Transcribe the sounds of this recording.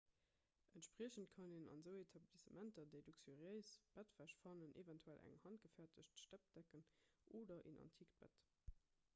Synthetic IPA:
ʔəntʃpʁ̥iəɕəntkʰɑnenɑ̰nzəʊetʰɑblisəmʔæntɐdeɪduksøʁiəɪsb̥ætv̥æɕfɑnənʔḛvæntʰuælʔæ̰ŋhɑnt̚ɡ̥əfæɐtʰəɕtʃtæp̚d̥ækənʔoːdɐʔḭnʔɑ̰ntʰiːkb̥æ̰t

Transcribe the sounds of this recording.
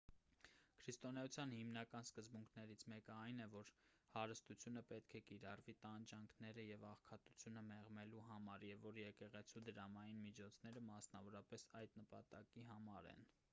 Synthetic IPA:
kʰɾist̪ɔnɛjut͡sʰjɑnhimnɑkɑnskəzbuŋkʰnɛɾit͡sʰmɛkəɑjnɛvɔɾ | hɑɾəst̪ut͡sʰjunəpɛt̪kʰɛkiɾɑrvit̪ɑnd͡ʒɑŋkʰnɛɾəjɛvɑχkʰɑt̪u̥t͡sʰjunəmɛʁmɛluɦɑmɑɾjɛvːɔɾjɛkɛʁɛt͡sʰud̪əɾɑmɑjinmid͡ʒʰɔt͡sʰnɛɾəmɑsnɑvɔɾɑpɛsɑjd̪nəpɑt̪ɑkiɦɑmɑɾɛ̰n

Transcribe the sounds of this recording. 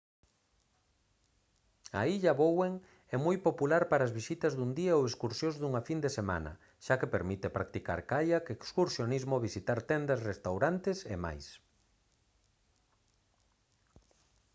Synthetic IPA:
a̰iʎɐβoweŋ | ɛmojpopulaɾpaɾaːzβisit̪ɐzðund̪iɐoweskuɾsjõzðuŋafind̪esema̰nɐ̰ | ʃakepeɾmit̪epɾak̚t̪ika̰ɾkajakekskuɾsjonizmoβisit̪aɾt̪ɛnd̪ɐsrest̪awɾant̪ɪsḛma̰js

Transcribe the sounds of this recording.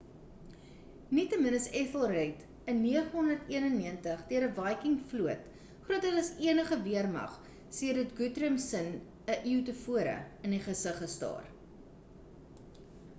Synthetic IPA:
nitəmənəsɛθəlˠrɛt | ənːiəχənɦɔndərtiənənːiəntəχdiəɾəvɐjkiŋfluət | χruətɦələsiənəχəviərmɐ̰χ | siədətɡutrəmsən | əʔiwtəfuəɾə̰əniχəsəχəstɑ̰ːr

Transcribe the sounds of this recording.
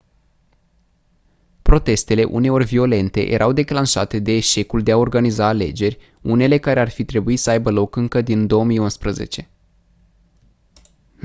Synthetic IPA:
pɾo̞t̪e̞st̪e̞le̞ʔṵne̞o̞rʲvio̞le̞nt̪e̞̰jʔe̞̰ɾʔawd̪e̞klanʃa̰t̪e̞d̪e̞ːʃe̞kuld̪e̞ao̞rɡanizaːle̞̰d͡ʒe̞rʲ | une̞le̞kaɾe̞arfit̪ɾe̞buisəajbəlo̞kɨŋkəd̪ind̪o̞omijunspɾəze̞̰t͡ʃe̞

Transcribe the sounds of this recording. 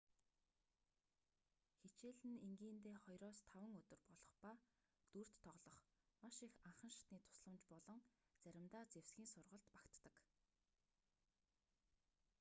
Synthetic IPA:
xet͡ɕeːɮɘ̆neŋɡiːnt̪eːχɔjɾɔːst̪ʰawə̆ŋɵt̪ɵ̆rpɔɮɞ̆χpa | t̪ur̥t̪ʰːɔʁɮɞ̆χmaʃixaɴχə̆nʃḁt̪niːt̪ʰʊ̥sɮə̆mt͡ɕpɔɮɞ̆ŋt͡sæɾʲɪ̆mt̪aːt͡sewsɡʲiːŋsʊrʁə̆ɬt̪pḁkt̪ːə̆k

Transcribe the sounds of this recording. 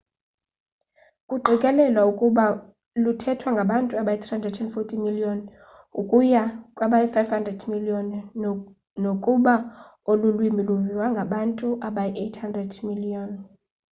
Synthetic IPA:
kʼuɡ͡ǃʱikʼɛlɛlwaukʼuɓa | lutʰɛtʰwaŋɡʱaɓantʼuaɓajit̪ʰrihandrɛdtʰɛnfotʼimiliɔn | ukʼujakʼwaɓajifajvhandrɛdmiliɔn | nokʼuɓa | olulwimbʱiluviwaŋɡʱaɓantʼuʔaɓajɛʔejtʰhandrɛdmiliɔn

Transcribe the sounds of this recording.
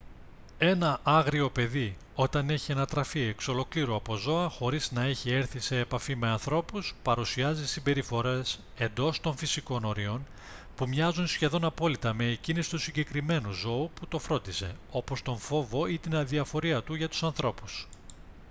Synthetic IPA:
e̞nɐʔɐɣɾio̞pe̞ði | o̞t̪ɐne̞çiɐnɐt̪ɾɐfie̞kso̞lo̞kliɾoɐpo̞zo̞ɐxo̞ɾiznɐe̞çie̞ɾθise̞ːpɐfime̞ɐnθɾo̞puspɐɾusiɐzisimbe̞ɾifo̞ɾe̞s | e̞nd̪o̞st̪o̞ɱfisiko̞no̞ɾio̞n | pumɲɐzunsçe̞ðo̞nɐpo̞lit̪ɐme̞ːcinisi̥t̪usiɲɟe̞kɾime̞nuzo̞uput̪o̞fɾo̞nd̪ise̞̰o̞po̞st̪o̞ɱfo̞vo̞it̪inɐðiɐfo̞ɾiɐt̪uʝɐt̪u̥sɐnθɾo̞pu̥s

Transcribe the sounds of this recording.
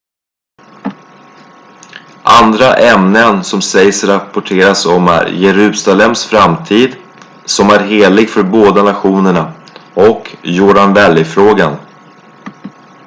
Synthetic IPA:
ʔand̪ɾaʔɛmnənsɔmsɛjsɾapʊʈʰeːɾasɔmæ̰ɾjɛɾʉ̟ːsalɛmsfɾamt̪ʰiːd̪ | sɔmæɾɦeːlɪɡfœɾboːd̪anaɧuːnəɳaɔkjuːɖanvɛljfɾoːɡan

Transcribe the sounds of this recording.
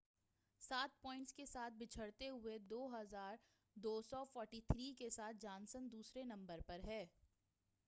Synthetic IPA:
saːt̪̚pɔ̃ːɪ̃ɳʈskesaːt̪̚ʰbɪt͡ʃʰəɽt̪eɦʊed̪oːɦɐzaːɾ | d̪oːsɔfɔːɾʈiːt̪ʰɾiːkesaːt̪̚ʰd͡ʒaːnsənd̪uːsɾenɐ̃mbəɾpɐɾɦɛː

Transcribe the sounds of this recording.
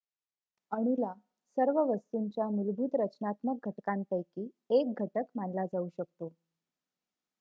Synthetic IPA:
əɽ̃ila | səɾʋəʋəst̪uɲt͡ɕjamilbʱuːt̪ɾət͡ɕnat̪mək̚ɡʱəʈkant̪əjkiː | ek̚ɡʱəʈəkmanlad͡zauɕəkt̪o

